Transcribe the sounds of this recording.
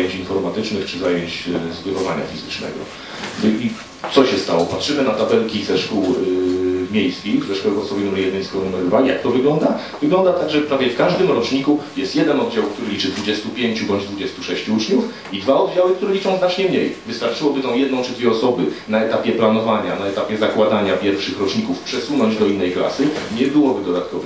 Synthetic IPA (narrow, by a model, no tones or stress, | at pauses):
jeɲt͡ɕinfɔɾmat̪ɘt͡ʂnɘxt͡ʂɘzajeɲt͡ɕzɡɛd̪ɔvaɲa̰fʲizɘt͡ʂnɛ̰ɡɔ̰ | i | t̪sɔɕɛst̪awɔpatʂɘmɘnat̪abɛlkʲizɛʂkuw | mʲjejskʲixzɛʂkɔwɛɡɔɔsɔbjenumɛɾjɛd̪nɛjskɔɾnumɛɾd̪valʲijak̚t̪ɔvɘɡlɔnd̪a | vɘɡlɔnd̪at̪aɡʐɛpɾavʲjɛfkaʐd̪ɘmɾɔt͡ʂɲikujɛst̪jɛd̪ɛnɔd̪̚d͡ʑawkt̪uɾɘlʲit͡ʂɘd̪vud͡ʑɛst̪upʲjeɲt͡ɕubɔɲd͡ʑd̪vud͡ʑɛst̪uʂɛɕt͡ɕuut͡ʂɲuf | id̪vaɔd̪d͡ʑawɘkt̪uɾɛlʲit͡ʂɔ̃w̃znat͡ʂɲɛmɲejvɨst̪aɾt͡ʂɘwɔbɘt̪ɔ̃w̃jɛd̪nɔ̃w̃t͡ʂɘd̪vʲjɛɔsɔbɘnaɛt̪apʲjɛplanɔvaɲanaɛt̪apʲjɛzakwad̪aɲapʲjɛɾfʂɘxɾɔt͡ʂɲikufpʂɛswunɔɲd͡ʑd̪ɔinːɛjkla̰sɘɲɛbɘwɔbɘd̪ɔd̪at̪kɔvɛ